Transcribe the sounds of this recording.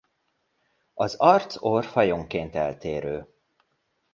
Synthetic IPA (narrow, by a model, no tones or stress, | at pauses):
ɒzɒrt̪sorfɒjoŋkeːnt̪ɛlt̪eːɾøː